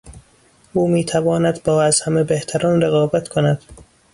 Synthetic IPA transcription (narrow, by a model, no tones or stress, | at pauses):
ʔuːmiːt̪ʰævɒːnæd̪bɒːæz̥hæmebeht̪ʰæɾɒːnɾeɣɒːbæt̪kʰonæd̪̥